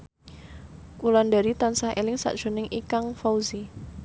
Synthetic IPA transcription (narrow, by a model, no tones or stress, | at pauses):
kulandaɾit̪ansahʔḛlɪŋsa̰ʔd̥ʒ̥o̤nɪŋʔikaŋfawzi